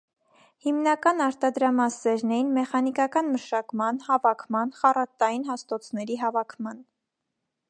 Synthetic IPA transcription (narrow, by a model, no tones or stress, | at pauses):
himnɑkɑnɑɾt̪ɑd̪ɾɑmɑsɛɾnɛjinmɛχɑnikɑkɑnməʃɑkmɑnhɑvɑkʰmɑnχɑrɑt̪ɑjinɦɑst̪ɔt͡sʰnɛɾiɦɑvɑkʰmɑn